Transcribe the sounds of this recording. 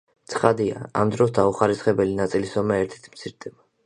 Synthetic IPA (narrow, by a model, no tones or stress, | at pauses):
t̪sʰχad̪ia̰a̰md̪ɾɔsd̪auχaɾisχɛbɛlinat̪sʼilisɔmɛɛɾt̪ʰɛ̥t̪ʰmt̪sʰiɾd̪ɛba